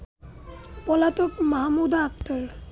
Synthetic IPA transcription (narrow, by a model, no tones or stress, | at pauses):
pɔlat̪okmaɦmud̪akt̪oɾ